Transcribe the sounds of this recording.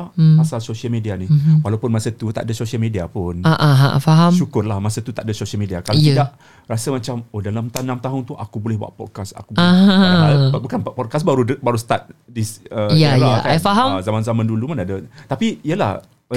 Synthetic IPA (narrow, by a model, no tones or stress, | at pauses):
apasalsosiəlmẽdianiwalawpʊnmãsət̪ut̪a̰ʔdəsosialmẽdiapʊnaʔaɦafaɦamʃukʊrlahmãsət̪ut̪aʔdəsosiəlmediakalodaʔ | rasəmãt͡ʃamodalamt̪anamt̪aɦʊnt̪uʔakubolɛhbuwa̰ʔpɔd̚kasa̰kubaãabukanpɔd̚kas̬baɾubaɾusə̥t̪at̪̚disəjalakaafaɦamzamãnzamãndulumanadət̪apiiəla̰h